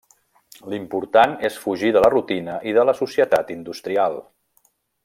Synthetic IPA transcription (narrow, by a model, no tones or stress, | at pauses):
limpuɾt̪anesfuʒiðələrut̪inəʔiðələsusiət̪at̪ind̪ust̪ɾialˠ